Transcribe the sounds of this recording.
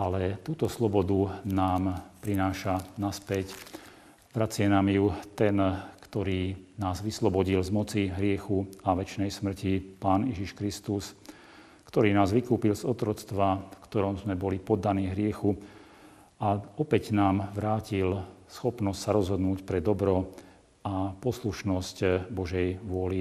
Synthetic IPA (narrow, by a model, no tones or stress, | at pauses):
ʔalɛt̪uːt̪ɔslɔbɔd̪unaːmpɾinaːʃanaspɛc | ʋɾat͡sɪɛnaːmjut̪ɛnkt̪ɔɾiːnaːzʋislɔbɔɟilzmɔt͡siɦɾɪɛxuaʋɛt͡ʃnɛjsmr̩cipaːnjɛʒiʃkɾist̪us | kt̪ɔɾiːnaːzʋikuːpilzɔt̪ɾɔt͡st̪ʋafkt̪ɔɾɔmzmɛbɔlipɔd̪ːaniːvɦɾɪɛxu | aɔpɛɟnaːmʋɾaːcilsxɔpnɔscʲsaɾɔzɦɔd̪nuːcpɾɛd̪ɔbɾɔ | apɔsluʃnɔscbɔʒɛjʋʊɔli